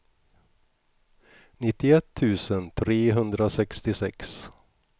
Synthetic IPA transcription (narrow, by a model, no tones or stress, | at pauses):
nɪt̪ːɪɛt̪ʰːʉ̟ːsənt̪ʰɾeːɦɵnd̪ɾasɛkst̪ɪsɛks